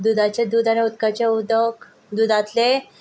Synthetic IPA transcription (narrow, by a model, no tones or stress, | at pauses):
d̪ud̪at͡ɕed̪uːd̪aniut̪kat͡ɕeud̪ək | d̪ud̪ʱat̪le